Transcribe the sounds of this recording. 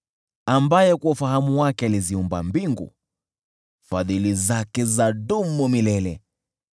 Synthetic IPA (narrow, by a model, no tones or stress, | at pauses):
ambajɛkuɔfahamuwakɛaliziumba̰mbiŋɡṵ | faðilizakɛzaɗumumilɛlɛ